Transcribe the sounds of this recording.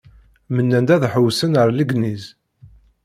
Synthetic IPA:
mənːænd̪æðħəwsənəɾˤləɡniz

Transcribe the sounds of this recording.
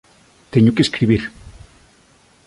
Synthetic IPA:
t̪eɲokeskɾiβiɾ

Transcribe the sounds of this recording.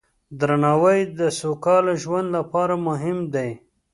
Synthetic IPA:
d̪ɾanɑwəjd̪əsokɑlaʒwand̪lapɑɾamʊɦɪmd̪aj

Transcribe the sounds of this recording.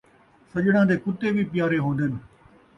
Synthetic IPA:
sɐʄɪɽ̃ãːd̪eːkʊt̪eːbʱipɪjaːɾeɦõːnd̪ɪnɪ̆

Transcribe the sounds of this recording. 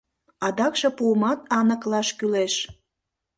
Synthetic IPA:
ɑd̪ɑkʃɤ̆puəmɑt̪ɑnə̆klɑʃkyleʃ

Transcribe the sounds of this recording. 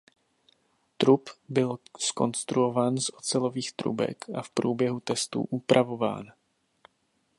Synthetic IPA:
t̪ɾupbɪlsko̞̰nst̪ɾuo̞vaːnzʔo̞t͡sɛlo̞viːxt̪ɾṵbɛ̰kafpɾuːbjɛɦut̪ɛst̪ṵːʔupɾʔavo̞va̰ːn

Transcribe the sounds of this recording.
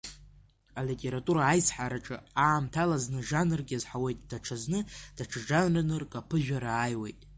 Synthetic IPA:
alitʼe̞ɾatʼuɾaːjsħaɾaʈ͡ʂʼɨaːmtʰalaznɨʒanɨrɡʲazħawe̞jtʼd̥aʈ͡ʂʰaznɨd̥aʈ͡ʂʰaʐanrɨnɨrkʼapʰɨʒᶣaɾaːjwe̞̰jtʼ

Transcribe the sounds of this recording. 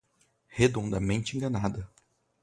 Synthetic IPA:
hed̪õnd̪ɐmẽnt͡ʃɪẽŋɡɐnad̪ɐ

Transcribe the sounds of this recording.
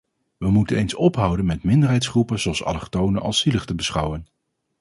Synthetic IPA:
ʋəmutənejnsɔpɦʌwdənmɛtmɪndəɹɦɛjtsχrupənzoɑlˠsɑ̰ləχtownəʔɑ̰lˠsiləχtəbəsχʌwən

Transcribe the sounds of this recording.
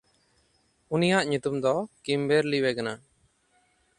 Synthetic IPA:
unijaʔɲut̪umd̪ɔkimbeɾliwɛkana

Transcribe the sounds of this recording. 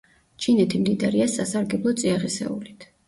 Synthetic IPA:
t͡ʃʰinɛt̪ʰimd̪id̪aɾiasasaɾɡɛblˠɔt̪sʼiaʁisɛ̰ṵlit̪ʰ

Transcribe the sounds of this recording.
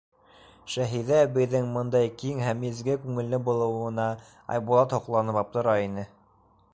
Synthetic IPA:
ʃæɦiðæβɘ̆jðɘŋmɤ̆nd̪ɑjkiŋɦæmɘzɡɘkʉŋɘ̆lːɘbulˠɤ̆wɤ̆nɑ | ɑ̰jbulˠɑt̪hŏqlˠɑnɤpɑp̚t̪ɤ̆ɾɑinɘ

